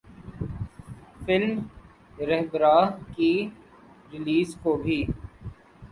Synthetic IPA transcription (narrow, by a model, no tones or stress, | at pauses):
fɪlm | ɾɛɦbɾaːɦki | ɾɪliːzkobʱiː